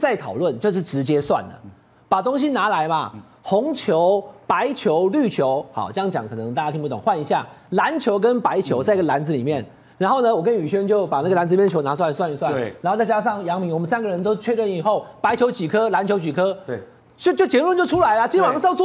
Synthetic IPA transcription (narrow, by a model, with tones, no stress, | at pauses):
t͡sa˥˩ɪt̪ʰɑ˨˩ʊlwə˥˨nt͡ɕjo˥˧ʊʂ̬ɻ̩˥˩ʈ͡ʂɻ̩˧˥t͡ɕjɛ˥swa̰˥˩nd̪ə̰˩ | pa˨˩t̪o˥ŋɕ̬i˦na˧˥la˧˦ɪmɐ̰˧ | xʊ˧˥ŋt͡ɕʰjo˧˦ʊpa˧˦ɪt͡ɕʰjo˧˦ʊly˥˩t͡ɕʰjo˨˧˦ʊxɑ̰˨˩˦t͡ɕjɑ˥ŋt͡ɕjɑ̰˨˩ŋkʰɤ˨˩nɤ˧˦ŋt̪a˥˩t͡ɕa˥i˥˧pu˥˧t̪ʊ˨˩ŋxwa˥˩ni˧˥ɕja̰˥˩la˧˦nt͡ɕʰjo˧˥ʊk̬ə˦npa˧˥ɪt͡ɕʰjo˧˥ʊt͡sa˥˩ɪi˥ɡə˨la˧˥nd͡zɹ̩˧li˨˩mjɛ˥˩n | ɻa˨˧˥nxo˥˩ʊnə˨wɔ˨˩kə˦ny˨˩ɕɥɛ˥nt͡ɕjo˥˩ʊpa˨˩na˥˩ɡə˩la˧˦nd͡zz̩˨˧˨ɛ˥˩t͡ɕʰo˧˥na˧˥s̬wa˥˧˩ns̬wa˥˧ni˨˩swa˥˩˨ɻa˨˧nxo˥˧t͡sa˥˧t͡ɕa˥ʂɑ˥˩ŋjɑ˧˥ŋmi˧˥ŋwɔ˨˩mə˨˦nsa˥nɡə˨ɻə˧˦nt̪o˥ʊt͡ɕʰɥɛ˥˧lə˥˩ni˨˩xo˥˩ʊpa˧˥ɪt͡ɕʰjo˧˥ʊt͡ɕi˨˩kʰɤ˦˥la˧˥nt͡ɕʰjo˧˥ʊt͡ɕy˨˩kʰɤ˦˥ | t͡ɕjo˥˧ʊt͡ɕjo˥˩ʊt͡ɕjɛ˧˥lə˥˧nt͡ɕjo˥˩ʊʈ͡ʂʰu˦˥la˧˦ɪlə˧t͡ɕi˥nwɑ˧˥ŋs